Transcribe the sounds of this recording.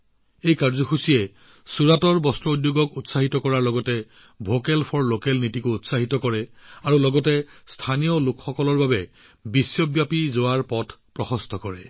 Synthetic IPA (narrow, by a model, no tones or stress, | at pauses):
ejkaɹzɔxusijɛ | suɹatɔɹbɔstɹɔudjoɡɔkutsaɦitɔkɔɹaɹlɔɡɔtɛ | bʱokɛlpʰɔɹlokɛlnitikʊutsaɦitɔkɔɹɛaɹulɔɡɔtɛstʰanijɔlʊkxɔkɔlɔɹbabɛ | bisjɔbjapizowaɹpɔtʰpɹɔxɔstʰɔkɔɹɛ